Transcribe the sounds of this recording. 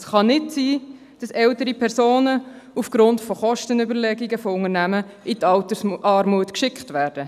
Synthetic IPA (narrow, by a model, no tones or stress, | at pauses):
sχɑnɪtsiː | d̥ɑsɛltəɾipʰɛɾsoːnəufɡ̥ɾʊntfɔχɔʃtənybəɾlɛɡiɡəfoʊŋənæməɪtɑltəsʔɑːɾmuətkʃɪkχtʋæːɾd̥ə